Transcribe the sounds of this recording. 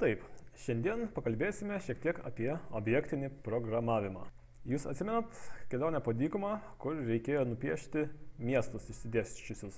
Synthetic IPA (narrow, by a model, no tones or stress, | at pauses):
t̪ɐɪpʃʲɛnʲd̪ʲiɛnpɐkɐlʲbʲeːsʲɪmʲɛʃʲiɛk̚t̪ʲiɛkɐ̰pʲiɛoːbʲjɛkt̪ʲɪnʲɪpɾoɡɾɐmɑːʋʲɪmɑ̰ː | juːsɐ̰t̪sʲɪmʲɛnɐt̪kʲɛlʲoːnʲɛpoːd̪ʲiːkʊmɑːkʊɾɾʲɛɪkʲeːjoːnʊpʲiɛʃʲt̪ʲɪmʲiɛst̪ʊsɪʃʲsʲɪd̪ʲæːsʲt͡ʃʲʊsʲʊs